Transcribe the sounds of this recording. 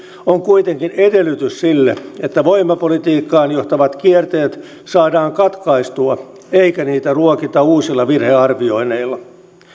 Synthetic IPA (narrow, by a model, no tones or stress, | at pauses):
oŋkujt̪eŋkinedelːyt̪yssilːḛet̪ːæʋo̞imːɑpolit̪iːkːɑːnjoht̪ɑʋɑt̪kiert̪eːt̪ | sɑːdɑːŋkɑt̪kɑist̪uɑ | eikæniːt̪æruokit̪ɑuːsilːɑʋirheɑrʋio̞ine̞ilːɑ